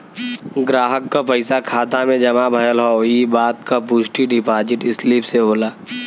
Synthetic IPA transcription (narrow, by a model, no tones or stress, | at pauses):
ɡɾaːɦəkːapəɪsakʰaːt̪amẽd͡ʒɐmabʱɐjəlɦɔoibaːt̪kapuːt͡ʃʈiɖɪpaːd͡ʒɪʈɪsliːpseboːlaː